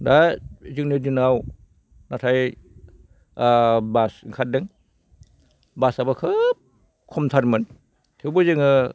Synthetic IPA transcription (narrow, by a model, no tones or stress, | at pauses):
dazɯŋnidinaw | natʰaj | basiŋkʰat̚dɯŋ | basabakʰɯp̚ | kʰɔmtʰaɾmɯn | tʰewbɯzɯŋɯ